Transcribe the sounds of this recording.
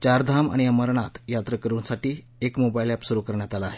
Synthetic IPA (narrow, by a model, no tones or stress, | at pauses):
t͡ɕaɾd̪ʱama̰ɽ̃iəməɾɳat̪jat̪ɾəkəɾuːnsaʈiː | ekmobajlapsuɾuːkəɾɳjat̪alaːɦe